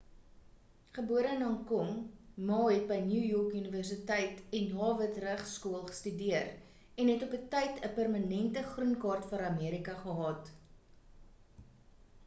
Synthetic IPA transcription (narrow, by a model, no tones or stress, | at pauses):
χəbuəɾəənɦɐŋkɔŋmɑːɦɛt̚bəjnjuːjɔkyniværs̬itɛjtɛnɦɑːvətræχskuəlˠχə̥stydiər | ɛnɦɛtɔpətɛjtʰəpərmɐnɛntəχrunkɑːrtfɐɾɐmiəɾikɐχəɦɑːt